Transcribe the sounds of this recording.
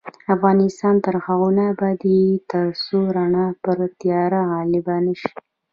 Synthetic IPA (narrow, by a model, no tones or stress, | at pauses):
afɣɑnɪst̪ɑnt̪əɾxaɣunabɑd̪it̪əɾsoɾaɳɑpəɾt̪jɑɾaɣɑlɪbanəʃi̥